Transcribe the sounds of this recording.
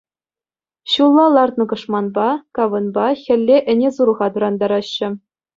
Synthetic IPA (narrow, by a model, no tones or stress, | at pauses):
ɕulˠːɑlˠɑrt̪nɤ̆ɡɤ̆ʂmɑnbɑkɑʋɤ̆nbɑxʲɘ̆lʲːeʔɘ̆nʲezuɾɤ̆ʁɑt̪ɤ̆ɾɑnd̪ɑɾɑɕːɘ̆